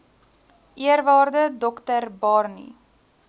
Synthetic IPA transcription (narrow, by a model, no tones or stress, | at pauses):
ʔiəɾvɑːrdədɔktərbɑrnḭ